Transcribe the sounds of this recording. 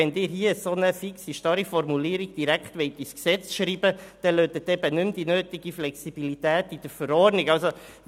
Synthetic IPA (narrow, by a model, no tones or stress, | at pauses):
ɛndɪːɾɦiəəsonəfiksiʃtɑɾifɔɾmuliːɾiɡ̥d̥iɾækχtʋɛɪtisksɛt͡sʃɾiːbəd̥ɛløːt̪ət̪ɛbənʉmdinøːtiɡiflɛksib̥ilitɛːtid̥əɾfəɾɔnikɑlso